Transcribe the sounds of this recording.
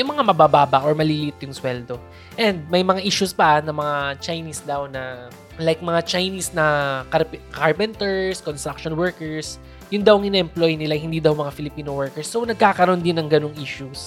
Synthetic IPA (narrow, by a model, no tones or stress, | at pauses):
jʊŋmɐŋamɐbaːbaːbɐʔoɹmɐliːlɪʔɪt̪jʊŋswɛld̪o̞ | ʔɛnd̪̚mɐjmɐŋaʔiːʃuspɐʔnɐmɐŋat͡ʃajnisd̪awnɐ | lajk̚mɐŋat͡ʃajnisnɐkɐpkaɹpɛnt̪ɛɹskonst̪ɾakʃonwɛɹkɛɹs | jʊnd̪ɐwŋʔɪnɛʔɛmplojnɪlahɪnd̪iːd̪ɐwmɐŋafɪlɪpiːnowɛɹkɛɹsːownɐɡ̚kaːkɐɾo̞nd̪ɪnːɐŋɡɐnoŋʔiːʃus